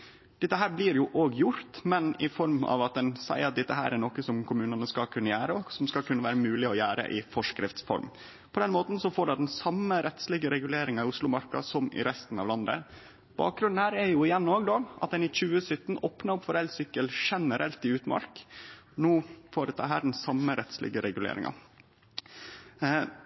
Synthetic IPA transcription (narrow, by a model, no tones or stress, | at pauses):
d̪̥ɛt̪ːəɦæːɾblɪɾjʊʔoːɡjʊɾt̪mɛnɪfɔɾmɑ̰ʋɑt̪̚d̪ɛnsæ̰ɪɑt̪̚d̪ɛt̪ːəɦæ̰ːɾæɾɳɔkːəsɔmkʰʊmʉːnənəskɑkʰʉnːəjæːɾəɔsɔmskɑkʰʉnːəʋæːɾəmʉːlɪɔjæːɾə̰ʔɪfɔʂkɾɪft̪sfɔ̰ɾm | pʰɔd̪ɛnmoːt̪n̩sɔfoːɖɑd̪ɛnsɑmːəɾɛt̪slɪɡəɾɛɡʉleːɾɪŋɑɪʊslʊmɑɾkɑ̰sɔmɪ̰ɾɛst̪n̩ɑ̰ʋlɑnd̪ə̰ | b̥ɑ̰ːk̚ɡɾʉnn̩hæːɾæɾjʊɪjɛnːoːɡd̪oːʔɑ̰t̪̚d̪ɛnɪt͡ɕʉːəsʏt̪ːn̩oːpnɑɾʊpːfɔɾɛlsʏkːəlʂɛnəɾʔɛlt̪ɪʉːt̪mɑ̰ɾknuːfoːɾət̪ʰɑ̰ːɦæːɖɛnsɑmːəɾɛt̪slɪ̰ɡəɾɛɡʉlḛːɾɪ̰ŋʔɑ̰